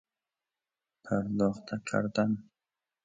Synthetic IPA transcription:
pʰaɾd̪ɔːχt̪ʰakʰa̰ɾd̪an

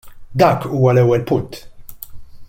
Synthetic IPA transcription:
d̪ɐːkuːwɐlɛwːɛlpʊnt̪

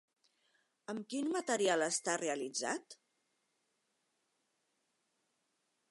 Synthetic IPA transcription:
əmkinmət̪əɾialəst̪areəlid͡za̰t̪

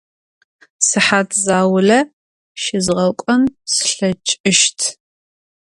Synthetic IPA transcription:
sɨħaːtʰzaːwʊlɐ | ʃɪzʁɐkʷʼɐnsɨ̥ɬɐt͡ʃʼɨʃtʰ

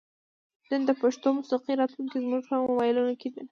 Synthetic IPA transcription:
nənd̪əpaʂt̪omʊsiqiɾɑt̪luŋkizmuʒpəɣmawɑjɪlunoked̪e

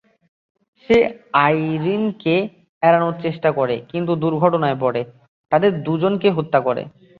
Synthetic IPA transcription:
ʃeajɾinke | ɛɾanoɾt͡ɕeʃʈakɔɾekint̪̬ud̪uɾɡʱɔʈonaep̬ɔɽe | t̪ad̪eɾd̪ud͡ʑonkeɦot̪ːakɔɾḛ

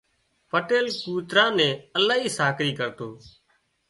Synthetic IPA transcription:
pəʈeːlkuːt̪ɾãːnẽːəlaːɦiːsaːkɾiːkəɾt̪oː

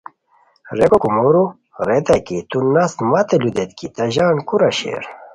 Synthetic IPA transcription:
ɾekokumoɾu | ɾet̪ɐkit̪unast̪mat̪elud̪et̪kit̪ɐʑaːnkuɾɐɕḛɾ

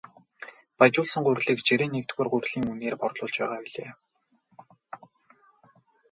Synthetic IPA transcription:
pat͡ɕʊːɮsə̆ŋɢʊrɮiːkt͡ɕeɾĭnːekt̪ɡeːrɢʊrɮiːŋuneːrpɔrt̪ɮʊːɮt͡ɕpæːʁaːpiɮḛː

